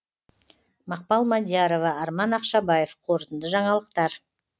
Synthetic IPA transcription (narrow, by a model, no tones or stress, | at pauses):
mɑq̚pɑlˠmad̪ʲjaɾo̞vɑɑɾmɑnɑqʃɑbɑje̞fqʰo̞ɾt̪ənd̪əʒɑɴɑlˠəq̚t̪ɑɾ